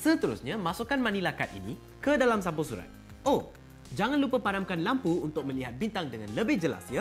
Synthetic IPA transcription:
sət̪əɾṵsɲamasukanmãnĩlakat̪̚ḭni | kədalamsampusuɾa̰t̪̚ | o | d͡ʒaŋanlupəpadamkanlampuunt̪ʊk̚mə̃liɦat̪̚bint̪aŋdəŋanləbɪhd͡ʒəla̰sjə

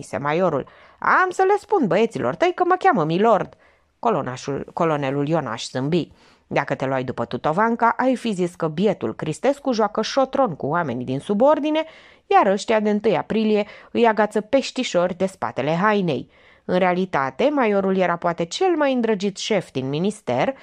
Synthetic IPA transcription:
ise̞̰majo̞ɾṵl | a̰msəle̞spund̪bəe̞t̪silʔo̞̰rt̪əjkəməkʲaməmilo̞rd̪ | ko̞lo̞ne̞luljo̞na̰ʃsɨmbi | d̪akət̪e̞loajd̪upət̪ut̪o̞vaŋkaʔajfiziskəbje̞t̪ṵlkɾist̪e̞skuʒoakəʃo̞t̪ɾo̞nkuame̞̰nʲd̪insubo̞rd̪ine̞ | jaɾəʃt̪iad̪eɨnt̪ɨjapɾilije̞ɨjaɡat̪səpe̞ʃt̪iʃo̞rʲd̪e̞spa̰t̪e̞le̞ɦajne̞̰j | ɨnɾe̞alit̪at̪e̞majo̞ɾulje̞ɾapoat̪e̞t͡ʃe̞lmajɨnd̪ɾəd͡ʒit̪ʃe̞fd̪inminist̪e̞r

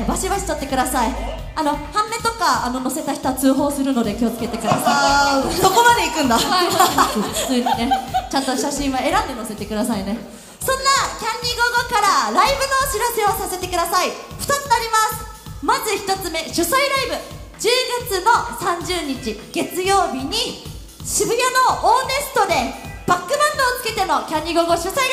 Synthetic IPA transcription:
baɕibaɕi̥t̪ot̪ːe̞kɯ̟d̪asai | ano̞hãmːe̞t̪o̞kaːno̞no̞se̞t̪açʲi̥t̪oat͡sɨːɦo̞ːsɨɾɯ̟no̞d̪e̞kʲio̞t͡sɨ̥ke̞t̪e̞kɯ̟d̪asaisoko̞mad̪e̞ikɯ̟̃nd̪a | fɯ̥t͡sɨːɲine̞t͡ɕãnt̪o̞ɕaɕĩɰ̃βae̞ɾãnd̪e̞no̞se̞t̪e̞kɯ̟d̪asaine̞ | sõ̞nːakʲãɲʲːiɡoɡokaɾaɾaibɯ̟no̞ɕiɾase̞o̞sase̞t̪e̞kɯ̟d̪asaiɸɯ̟t̪atɨnaɾʲimasɨ̥ | mazɨçi̥t̪o̞t͡sɨme̞ɕosaiɾaibɯ̟ | d͡ʑɨːɡat͡sɨno̞sãɲd͡ʑɨːɲ̟it͡ɕiɡ̥e̞t͡sɨjo̞ːbʲiɲ̟i | ɕibɯ̟jano̞oːne̞sɨ̥t̪o̞d̪e̞ | b̥akːɯ̟bãnd̪oːt͡sɨ̥ke̞t̪e̞no̞kʲãɲʲːiɡo̞ɡo̞ɕosai

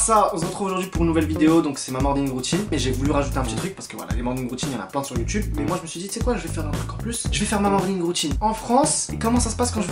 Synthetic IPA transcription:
saɔ̃səʁət̪χuvoʒuʁd̪ɥipuʁnːuvɛlvid̪eod̪ɔ̃ksɛmamɔ̃ʁd̪liŋʁut̪ʰinɛʒevulyʁaʒut̪eɛ̃pət̪it̪χyk̚paʁsə̥kəvwa̰la̰lemɔ̃ʁd̪linʁut̪ʰinjɑ̃na̰plɛ̃syʁjut̪ybmɛmwaʒəməsɥid̪isɛkwaʒəvɛfɛʁd̪ɛ̃t̪χykɑ̃ʁplysʒ̥əvɛfɛʁmamɑ̃ʁd̪liŋʁut̪ʰinɑ̃fχɑ̃sekɔmɑ̃sasə̥paskɑ̃ʒə

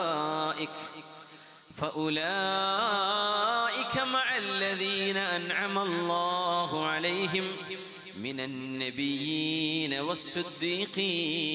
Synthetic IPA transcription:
ʔɪk | faʔʊlaː | ʔɪkamaʕalːaðiːnaʔanʕamalˤːɑːɦʊʕalajɦɪmː | ɪnanːabɪjːiːnawasˤːɨd̪ːiːqiː

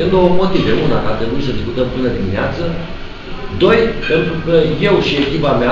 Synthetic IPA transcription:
end̪owomo̞t̪iveunakat̪ɾebujs̬əd̪iskut̪əmpɨnəd̪imineat̪sə | d̪o̞jpe̞nt̪ɾukəje̞wʃie̞kʲipamea

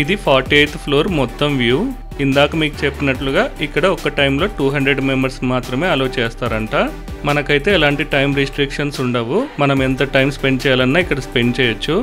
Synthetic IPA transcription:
id̪ipʰaːɾʈieːt̪pʰloːɾmɔt̪ːɐmʋjuː | ind̪aːkɐmiːku̥t͡ʃepːinɐʈluɡaːikːɐɽɐɔkɐʈɐjmlo̞ːʈuːɦɐɳd̪ɾe̞ɖmembɐɾsmaːt̪ɾɐmeːɐloːt͡ʃɛːst̪aːɾɐɳʈaː | mɐnɐkɐjt̪e̞ːlaːɳʈiʈɐjmɾisʈɾikʂɐnsuɳɖɐʋumɐnɐmɛnt̪ɐʈɐjmspe̞ɳɖt͡ʃɛːjaːlɐnːaːikːɐɽɐspe̞ɳɖt͡ʃɛːjɐt͡ʃːu

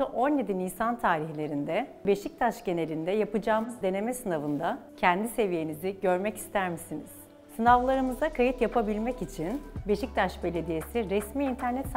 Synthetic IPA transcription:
aʔo̞nje̞d̪iniːsant̪ʰaːɾiçlʲe̞ɾind̪ɛbe̞ʃic̚t̪ʰaʃɟe̞ne̞lʲind̪ɛjapɯd͡ʒaːmɯzd̪e̞ne̞mɛsɯnavɯnd̪acʰænd̪ise̞vije̞niziɟø̞ɾmɛci̥st̪ʰæɾmisiniz̥ | sɯnavlˠaɾɯmɯzd̪akʰajit̪japʰabilʲmɛcit͡ʃʰinbe̞ʃic̚t̪ʰaʃbe̞lʲe̞d̪ijesiɾɛsmiːnt̪ʰæɾnɛt̪s

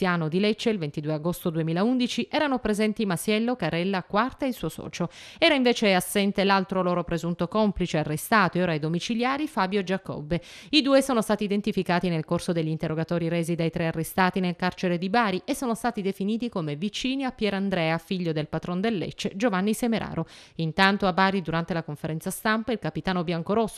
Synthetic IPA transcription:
jaːnod̪ilet͡ʃːeilvent̪id̪uːeaɡost̪od̪uemiːlaund̪it͡ʃiʔɛːɾanopɾezɛnt̪imasjɛlːokaɾɛlːakwart̪aeilsuːosɔ̰ːt͡ʃo | ɛːɾaiɱveːt͡ʃeasːɛnt̪elalt̪ɾoloːɾopɾezunt̪okɔmplit͡ʃearːest̪aːt̪oeoːɾajd̪omit͡ʃiljaːɾifaːbjoed͡ʒakɔ̰bːe | id̪uːesoːnost̪aːt̪iːd̪ent̪ifikaːt̪inelkorsod̪eʎːiːnt̪erːoɡat̪ɔːɾiɾeːzid̪ajt̪ɾearːest̪aːt̪inelkart͡ʃeɾed̪ibaːɾiʔesːoːnost̪aːt̪id̪efiniːt̪ikomevit͡ʃiːniapːjɛːɾand̪ɾɛːafiʎːod̪elpat̪ɾond̪elːɛ̰t͡ʃːed͡ʒovanːisemeɾʔa̰ːɾoint̪ant̪oabːaːɾid̪uɾant̪elakoɱfeɾɛnt̪sast̪ampailkapit̪aːnobjaŋkoɾosːo

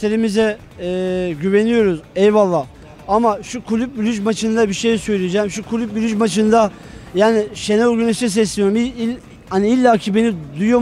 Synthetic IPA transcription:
t̪ʰeɾimizɛː | ɟyve̞nijo̞ɾuzɛvvalˠːaː | amaʃukʰulʲyp̚bylʲyd͡ʒmat͡ʃʰɯnd̪abiʃejsø̞jlʲijid͡ʒɛːmʃukʰulʲyp̚byɾʲyd͡ʒmat͡ʃʰɯnd̪a | jaːniʃe̞nolˠɡynɛʃnɛs̬ɛslʲeijɾumii | haniilʲːaːcʰibe̞nid̪ujo

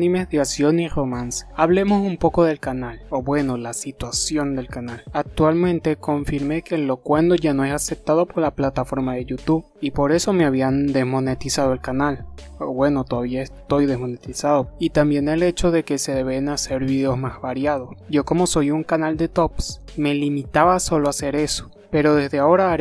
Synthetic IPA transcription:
imeðjasjo̞niro̞mansaβle̞mo̞sumpo̞ko̞ðe̞lkanaloβwe̞no̞lasit̪wasjo̞nd̪e̞lkanalak̚t̪walmẽ̞nt̪eko̞ɱfiɾme̞kenlo̞kwe̞nd̪oʝanoe̞sase̞p̚t̪aðo̞po̞ɾlaplat̪afo̞ɾmaðe̞ʝut̪uβ | ipo̞ɾe̞so̞meaβ̞iand̪e̞zmo̞ne̞t̪isað̞oe̞lkanal | obwe̞no̞t̪oðaβiaest̪o̞jðe̞smo̞net̪isaðoit̪ambje̞nele̞t͡ʃo̞ðe̞ke̞se̞ðe̞βenase̞ɾβiðeo̞zmazβaɾjað̞o̞sɟ͡ʝo̞ko̞mo̞so̞juŋkanald̪e̞t̪o̞ps | me̞limit̪aβaso̞loase̞ɾe̞so̥ | pe̞ɾo̞ðe̞zðeao̞ɾaːɾ

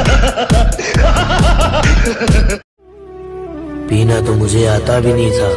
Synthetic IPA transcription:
piːnaːt̪oːmʊd͡ʒʱeːaːt̪aːbʱiːnĩːt̪ʰaː

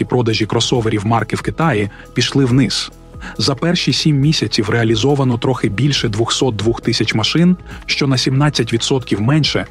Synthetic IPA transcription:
ipɾɔd̪ɐʒʲikɾɔsɔʋeɾʲiwmɑrkɪwkɪt̪ɑji | pʲiʃlˠɪwnɪz | zɐpɛrʃisʲimːʲisʲɐt͡sʲiwɾeɐlʲizɔʋɐnɔt̪ɾɔxɪbʲilʲʃɛd̪ʋʊxsɔt̪̚d̪ʋuxt̪ɪsʲɐt͡ʃmɐʃɪnʃt͡ʃɔnɐsʲimnɑt͡sʲːɐt̬ʲʋʲid̪sɔt̪kʲiwmɛnʃɛ

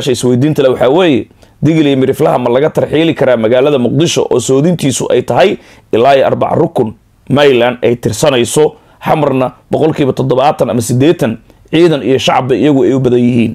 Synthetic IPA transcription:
ʃɐɪswɛjd̪iːnt̪ʰɐlɐwɑħɑːwɛːjɛ | d̪ɪɣɪlɪmɪɾɪflɐɦɐmɐlɐɣɐt̪ʰɐrħiːlɪkʰɐɾaːmɐɣaːlɐðɐmʊq̚d̪ɪʃɔ̰ʔɔːsɔːðɪnt̪ʰiːsʊʔɛ̰jt̪ʰɐɦɛj | ɪlaːjʔɐ̰rbɑ̰ʕ̰rʊkʰʊn | mɐjlanɛjt̪ʰɪrsɐnɛjsɔ | ħɑmɐrnɐbɔqɔlkʰiːβɐt̪ʰɔd̪ɔβaːt̪ʰɐnɐ̰mɐsɪd̪ɛːt̪ʰɐn | ʕiːðɐnijɔʃɑʕɑbɐɪjɐɣʊɛjʊbɐðɐnjɪɦiːn

